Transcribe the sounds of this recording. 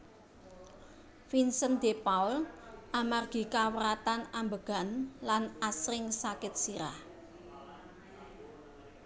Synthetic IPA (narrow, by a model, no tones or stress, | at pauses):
finsənd̪̥epaʊlʔamarɡ̥i̤kawəɾat̪anambəɡ̥a̤nlanasɾɪŋsakɪt̪̚siɾah